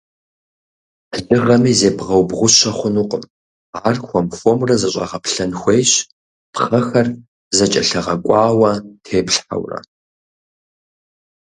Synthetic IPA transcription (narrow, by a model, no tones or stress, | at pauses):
ɮɨʁɐmiːzeːbʁɐwbʁʷʊɕɐχʷʊnuːqʼəm | aːrxʷɔmfomrɐzɐɕʼɐ̰ʁɐpɬɐnxʷejɕ | pχɐxɐr | zɐt͡ʃʼɐɬɐʁɐkʷʼɑːwɐtʰeːpɬħa̰wrɐ̰